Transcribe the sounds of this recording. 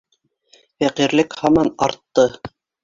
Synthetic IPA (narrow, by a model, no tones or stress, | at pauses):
fæqiɾlɘkhɑmɑnɑ̰ɾt̪ːɤ